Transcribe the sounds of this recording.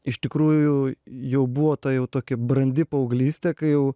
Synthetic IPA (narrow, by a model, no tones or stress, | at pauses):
ɪʃʲt̪ʲɪkɾuːjjʊjɛʊbuʋoːt̪ɐjɛʊt̪oːkʲɪbrɐnʲd̪ʲɪpɐɐʊɡlʲiːsʲt̪ʲɛkɐɪjɛʊ